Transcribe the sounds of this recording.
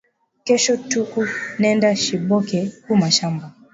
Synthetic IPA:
kɛʃɔtukunɛndaʃiɓɔkɛkumaʃamba

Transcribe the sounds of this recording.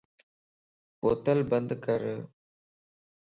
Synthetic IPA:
pɔt̪ːɐlbɐnd̪ɯkɐɾɯ

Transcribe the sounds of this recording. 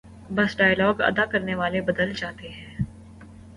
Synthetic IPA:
bɐsɖaːɪjlɔːɡɐ̰d̪akɐɾneʋaːlebɐd̪əld͡ʒaːt̪eɦɛ̃ː

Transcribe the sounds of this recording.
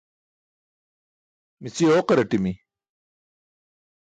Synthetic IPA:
misioːqɐɾɐʈimi

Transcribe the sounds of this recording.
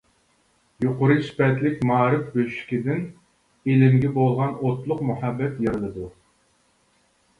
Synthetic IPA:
joqʊɾɨspɛt̪lɪkʲmɑːɾɨfbøʃi̥kʲid̪ɪn | elɪmɡʲɛbolˠʁɑnot̪lˠʊqmuhɑbːɛt̪jeɾɨlˠɨd̪u

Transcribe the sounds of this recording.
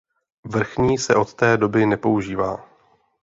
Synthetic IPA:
vr̩xɲiːsɛʔo̞t̪t̪ɛːdo̞bɪnɛpo̞uʒiːva̰ː

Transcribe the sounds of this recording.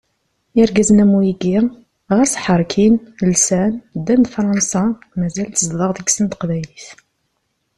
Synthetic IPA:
ɪɾɡæznæmujiɡi | ʁæsħəɾˤkʰinlsænd̪ænd̪fɾˤɑnsɑ | mæzælt̪əzðˤəʁðəɡsənt̪ə̥qvæjliθ

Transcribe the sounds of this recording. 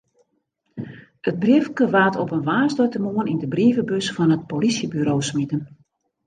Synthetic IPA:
ət̚brifkəʋaːtʰɔpənʋaːrstɔjtəmoənindəbriːvəbøsfɔnət̚polisjəbyɾoːwsmitən

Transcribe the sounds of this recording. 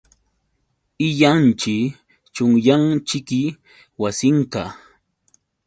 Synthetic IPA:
ɪʎant͡ʃɪ | t͡ʃʊŋjaŋt͡ʃɪkɪ | wasɪɴka

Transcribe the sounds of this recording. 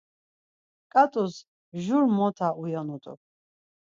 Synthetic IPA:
kʼat̪ʼus | ʒuɾmɔt̪ʰaʔujɔnut̪ʼɔ̰

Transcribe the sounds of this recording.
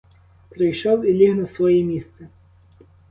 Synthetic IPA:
pɾɪjʃɔwilʲiɦnɐsʋɔjɛmʲist̪sɛ

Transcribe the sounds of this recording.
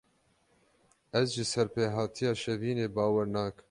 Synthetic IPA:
ɛzʒɨsɛɾpeːɦɑːt̪ʰijɑːʃɛviːneːbɑːwɛɾnɑːk

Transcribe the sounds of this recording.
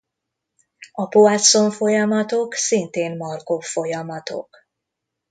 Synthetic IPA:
ɒpoat̪so̞ɱfo̞jɒmɒt̪o̞ksint̪eːmmɒrko̞fːo̞jɒmɒt̪o̞̰k

